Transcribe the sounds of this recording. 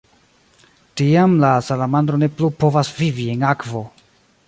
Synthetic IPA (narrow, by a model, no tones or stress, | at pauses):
tiamlasalamand̪ɾone̞plupo̞vasvivienakvo̞